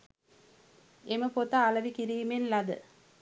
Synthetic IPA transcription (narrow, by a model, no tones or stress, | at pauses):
emɐpot̪ːaːlɐʋikiɾijmenlɐd̪ɯ̰